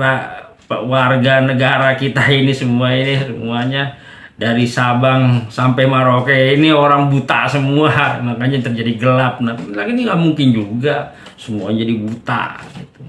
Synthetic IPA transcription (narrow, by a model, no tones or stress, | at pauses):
la | pəwarɡanəɡaɾakit̪ainisəmuainisəmuaɲa | daɾisabaŋsampɛmaɾokeinioɾaŋbut̪asəmuamakaɲat̪ərd͡ʒadiɡəlap̚naplakinŋamuŋkɪnd͡ʒuɡa | səmuaɲad͡ʒadibut̪a̰ɡit̪u